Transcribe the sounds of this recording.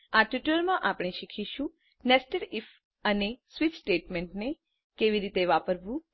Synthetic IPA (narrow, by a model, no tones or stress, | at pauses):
aʈuʈəlmãʔapɽ̃eʃikʰiʃũ | nɛsʈəɾif | ənesʋit͡ʃsʈeʈmeɳʈne | keʋiɾit̪eʋapəɾʋũ